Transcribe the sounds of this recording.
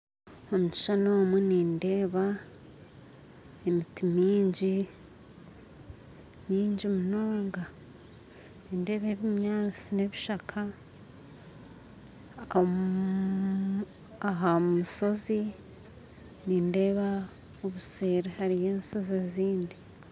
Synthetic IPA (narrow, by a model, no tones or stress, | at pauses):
omuci̥ʃano̞ːmwuniːnde̞ːβa | emitimiːɲɟi | miːɲɟiomuno̞ːŋɡa | ninde̞ːβe̞βimɲaːt͡sine̞βiʃakʰa | aɦamuso̞zi | niːnde̞ːβa | oβuse̞ːɾehaɾije̞ːnso̞zeziːndi